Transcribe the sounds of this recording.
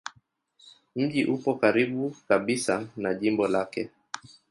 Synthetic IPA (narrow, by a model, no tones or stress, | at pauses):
m̩ʄiʔupɔkaɾiɓukaɓisanaʄimbɔlakɛ